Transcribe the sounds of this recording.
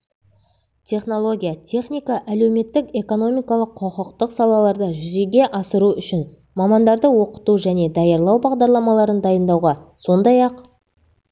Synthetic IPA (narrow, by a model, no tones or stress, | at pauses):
t̪ʲʰe̞χno̞lˠo̞ɡʲijat̪ʲʰe̞χnʲijkɑʔælewme̞t̪ːɪke̞ko̞no̞mijkɑlˠəqʰːoqəqt̪əqsɑlˠɑlˠɑɾd̪əʒʏze̞ɡʲe̞ʔɑsəɾuʏʃɪn | mɑmɑnd̪ɑɾd̪əwo̞qə̥t̪uʒæne̞d̪ɑjɑɾlˠɑwbɑʁd̪ɑɾlˠɑmɑlˠɑɾənd̪ɑjənd̪ɑwʁɑso̞nd̪ɑjɑq